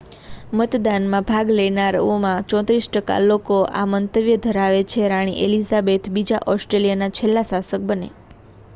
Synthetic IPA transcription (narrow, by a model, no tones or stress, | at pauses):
mət̪d̪anmãbʱaɡlenaɾomãt͡ʃɔ̃t̪ɾisʈəka̰lokoʔa̰mənt̪əʋjəd̪ʱəɾaʋet͡ʃʰeɾaɽ̃ḭʔelizabet̪bid͡ʒaʔɔsʈɾelijənat͡ʃʰelːasasək̚bənḛ